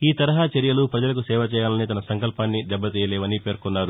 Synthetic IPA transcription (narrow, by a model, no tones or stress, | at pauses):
iːt̪ɐɾɐɦaːt͡ʃeɾijɐlupɾɐd͡ʒɐlɐk̬usɛːʋɐt͡ʃɛːjaːlɐnit̪ɐnɐsɐŋkɐlpaːnːid̪ɛbːɐt̪iːjɐlɛːʋɐnipe̞ːɾkunːaːɾu